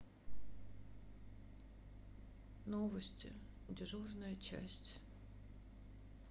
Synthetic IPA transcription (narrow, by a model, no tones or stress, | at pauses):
novəsʲtʲɪ̰ | dʲɪʐurnəjət͡ɕæ̰sʲtʲ